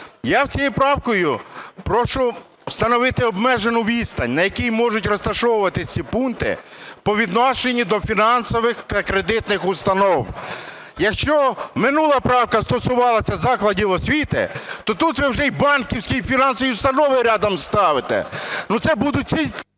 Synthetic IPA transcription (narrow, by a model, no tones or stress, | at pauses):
jawt͡sʲijipɾɑwkɔjʊpɾɔʃʊ | st̪ɐnɔʋɪt̪ɪɔbmɛʒenʊʋʲist̪ɐnʲnɐjɐkijmɔʒʊtʲrɔst̪ɐʃɔwʊʋɐt̪ɪsʲt͡sʲipunt̪ɪ̰pɔʋʲid̪nɔʃenʲːid̪ɔfʲinɑnsɔʋɪxt̪ɐkɾed̪ɪt̪nɪxʊst̪ɐnɔw | jɐkʃt͡ʃɔmɪnulˠɐpɾɑwkɐst̪ɔsʊʋɑlˠɐsʲɐzɑklˠɐdʲiwɔsʲʋʲit̪ɪ̰t̪ɔt̪ut̪ʋɪwʒɛibɑnkʲiwsʲkʲijfʲinɑnsɔʋʲiʊst̪ɐnɔʋɪɾʲɑd̪ɐmst̪ɑʋɪt̪ɛ̰nut̪sɛbud̪ʊt̚ʲt͡sʲi